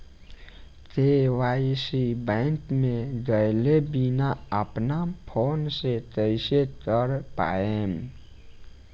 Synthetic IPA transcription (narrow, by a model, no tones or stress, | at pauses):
tt̪ewaːisibɛ̃ɪŋkmẽɡəjlebinaəpnapʰoːnset̪əɪsekəɾpa̰ːem